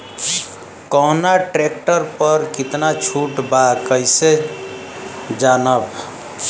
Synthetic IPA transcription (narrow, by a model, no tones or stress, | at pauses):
kɔɦnaʈɾekʈəɾpəɾkit̪nat͡ʃʰuʈbakəjse | d͡ʒanəb